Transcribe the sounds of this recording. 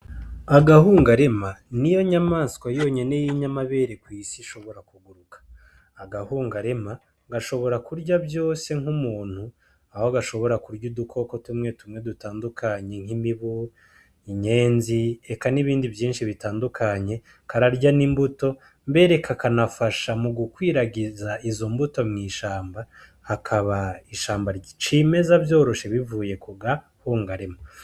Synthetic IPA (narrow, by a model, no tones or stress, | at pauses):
aɡaɦuːŋɡaɾe̞manijo̞ɲamaːnskwajo̞ɲe̞ne̞jiɲamaβe̞ːɾe̞kwiːsiʃo̞βo̞ɾakuɡuɾukḁː | ɡahuːŋɡaɾe̞ma | ɡaʃo̞βo̞ɾakuɾɟabjo̞ːse̞ŋhumuːn̥hu | aho̞ɡaʃo̞βo̞ɾakuɾɟudukʰo̞ko̞tumŋe̞tumŋe̞dutaːndukaɲe̞ŋ̥imiβu | iɲe̞ːnziekaniβiːndivjiːnʃiβitaːndukʰaɲe̞ | kaɾaɾɟanimbuto̞ | mbe̞ɾe̞kʰakanafaʃamuɡukwiːɾaɡizaizo̞mbuto̞mŋiːʃaːmba | hakʰaβaiʃaːmbaɾɟit͡ʃiːme̞zabjo̞ːɾo̞ʃe̞βivuːje̞kuɡa | huːŋɡaɾemo